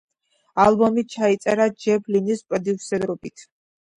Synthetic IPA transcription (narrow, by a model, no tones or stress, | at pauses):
alˠbɔmit͡ʃʰait̪sʼɛɾad͡ʒɛblinispʼɾɔd̪iusɛɾɔbit̪ʰ